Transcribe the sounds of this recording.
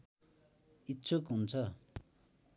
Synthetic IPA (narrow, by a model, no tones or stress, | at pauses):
it͡sʰokɦunt͡sʰʌ